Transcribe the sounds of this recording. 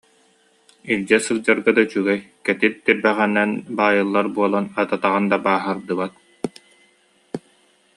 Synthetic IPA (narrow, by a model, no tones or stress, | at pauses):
ild͡ʑɛsɯlˠd͡ʑaɾɡad̪at͡ɕyɡɛjkɛt̪it̪t̪iɾbɛʁɛnːɛnbaːjɯlˠːaɾbuɔlˠanat̪at̪aʁand̪abaːɦaɾd̪ɯbat̪̚